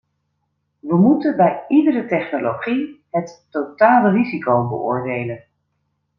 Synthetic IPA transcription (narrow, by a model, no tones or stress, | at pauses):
ʋəmutənbɛjidərətɛχnolowχiɦətːotaːlərizikowbə̰ʔʊ̰ːɹdejlən